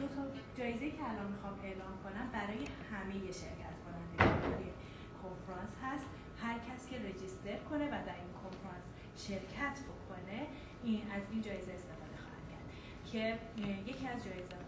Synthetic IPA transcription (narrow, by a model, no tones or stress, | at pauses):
d̪̥ot̪ʰɒd͡ʒɒːjezejiːcʰeælɒnmixɒːme̞ʔlɒːmkʰo̞næmbæɾɒːje̞hæme̞je̞ʃe̞ɾcʰæt̪ʰkʰo̞nænd̪eɡod̪e | kʰoɱfɾɒnshæst̪ | hæɾcʰæscʲʰe̞ɾed͡ʒist̪e̞ɾkʰo̞ne̞væd̪æɾinkʰo̞nfɾɑns | ʃe̞ɾcʰæt̪ʰbo̞kʰo̞ne̞ | inæzind͡ʒɒːjezeːst̪e̞fɒːd̪e̞xɒːhæ̰d̪̥cʰæ̰ɾd̪̥ | cʰe̞je̞cʰiæzd͡ʒɒːjezɛ